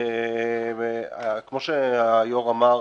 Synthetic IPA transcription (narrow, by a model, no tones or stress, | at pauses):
veakmo̞ʃeajoʁama